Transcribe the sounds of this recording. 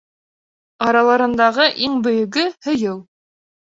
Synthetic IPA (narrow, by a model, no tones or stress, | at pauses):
ɑɾɑlˠɑɾɤ̆nd̪ɑʁɤʔiŋbɵ̆jɵ̆ɡɘhɵ̆jɤw